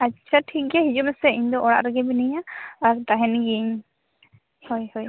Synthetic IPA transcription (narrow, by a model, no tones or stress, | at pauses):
atːt͡ʃʰaʈʰik̚ɡɛɦid͡ʒumɛsɛiɲd̪ɔʔɔɽa̰ʔɾɛɡɛbinijaːɾt̪aɦɛnɡiɲ | hɔjhɔj